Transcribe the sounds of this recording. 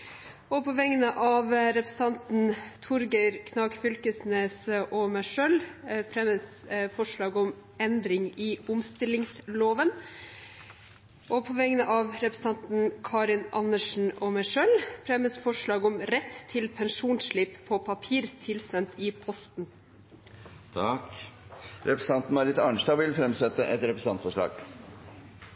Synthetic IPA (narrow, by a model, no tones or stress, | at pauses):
ɔpʰɔʋɛŋənəʔɑːʋɾɛpɾə̥sɑnt̪n̩t̪ʰʊɾɡəɪɾkʰnɑːkfʏlkəsneːsəʔɔmæʂœlfɾɛməsfɔʂɭɑːɡɔmɛnd̪ɾɪŋɪʊmst̪ɪlɪŋsloːʋən | ʔɔpʰɔʋɛŋnəʔɑʋɾɛpɾəsɑnt̪n̩kʰɑːɾɪnɑ̰nəʂn̩ɔmæʂølfɾɛməsfɔʂɭɑːɡɔmɾɛt̪ʰːɪlpʰɛnʂuːnʂɭɪppʰopʰɑpʰiːɾt̪ʰɪlsɛnt̪ɪpʰɔst̪n̩ | t̪ʰɑk | ɾɛpɾəs̩ɑnt̪n̩mɑɾɪt̪ɑɳʂd̪ɑʋɪlfɾɛmsɛt̪ːəʔɛt̪ɾɛpɾəs̩ɑnt̪fɔʂɭɑ̰ːɡ̥